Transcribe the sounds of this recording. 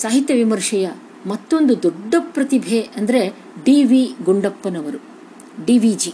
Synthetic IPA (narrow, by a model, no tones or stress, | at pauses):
saːɦit̪jɐʋimɐɾʂɐjɐ | mɐt̪ːo̞nd̪ud̪ɔɖːɐpːɾɐt̪ibʱeːɐnd̪ɐɾe | ɖiːʋiːɡuɳɖɐpːɐnɐʋɐɾu | ɖiːʋid͡ʒi